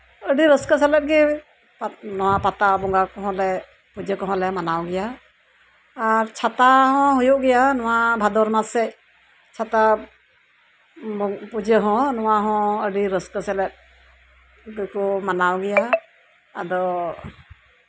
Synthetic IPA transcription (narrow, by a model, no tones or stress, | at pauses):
əɖiɾəskəsɛlɛt̚ɡɛ | pnɔwapat̪abɔŋɡakɔɦɔ̃lɛ | pud͡ʒəkɔɦɔ̃lɛmanawɡɛja | ɾt͡ʃʰat̪aɦɔ̃ɦujɔʔɡɛjanɔwabʱad̪ɔɾmasɛ | t͡ʃʰat̪a | pud͡ʒəɦɔ̃nɔwaɦɔ̃əɖiɾəskəsɛlɛt̪̚ | ɡkɔmanawɡɛjaː | d̪ɔ